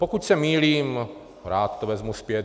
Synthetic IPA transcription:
pokucsɛmiːliːm | ɾaːt̪ːovɛzmuspjɛt̪

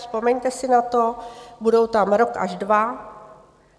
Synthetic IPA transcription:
spo̞mɛɲt̪ɛsɪnat̪o̞budo̞wt̪amɾo̞kʔa̰ʒdva

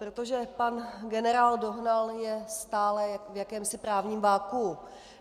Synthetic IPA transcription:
pɾot̪oʒɛpanɡɛnɛɾaːldo̞ɦnaljɛst̪aːlɛjavjakɛːmsɪpɾaːvɲiːmvaːku

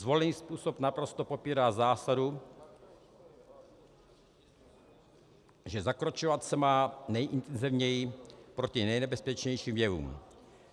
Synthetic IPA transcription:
zvo̞lniːspuːsopnapɾost̪opopiːɾaːzaːsadu | ʒɛzakɾot͡ʃovat̪sɛmaːnɛjʔɪnt̪ɛnzivɲɛjɪpɾocinɛjnɛbɛspɛt͡ʃɲɛjʃiːmvjɛvṵːm

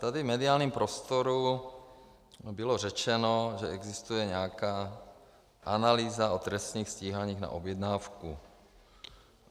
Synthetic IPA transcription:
t̪adɪvmɛdɪaːlɲiːmpɾost̪oɾu | bɪlorɛt͡ʃɛnoʒɛɛɡzist̪ujɛɲɛakaː | ʔanaliːzaot̪ɾɛst̪ɲiːxsciːɦaɲiːɣna̰ʔobjɛd̪naːfku

